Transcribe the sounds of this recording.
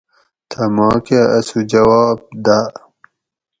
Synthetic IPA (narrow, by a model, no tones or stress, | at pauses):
t̪ʰɐmɑːkaɐsud͡ʑɐwaːb̚d̪a